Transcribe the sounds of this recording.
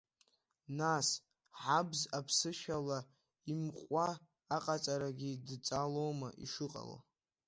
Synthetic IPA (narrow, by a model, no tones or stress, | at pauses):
nas | ħabzapʰsɨʃᶣala | imqʼʷaː | qʼat͡sʼaɾaɡʲidt͡sʼalowmaʔḭʂɨqʼa̰la̰